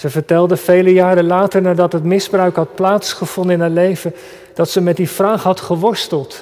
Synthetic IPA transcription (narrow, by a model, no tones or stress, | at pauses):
səvəɹtɛlˠdəv̥ejləjaːɾəlaːtəɹnaːɹdɑtɦətmɪzbrœɥkɦɑt̚plaːtsχəv̥ɔndənɪnɦaːlejvən | d̥ɑtsəmɛtdiv̥raːχɦɑtχəʋɔɹstəlˠt